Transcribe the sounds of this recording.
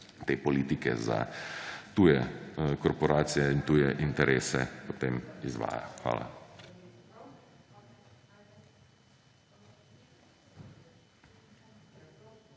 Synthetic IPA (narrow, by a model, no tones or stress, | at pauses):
t̪eːpɔliːt̪ikɛ̰za̰t̪ujɛkɔɾpɔɾaːt̪sijɛint̪uːjɛʔint̪ɛɾʔeːsɛpɔt̪eːmizʋa̰ːja̰xʋa̰ːla̰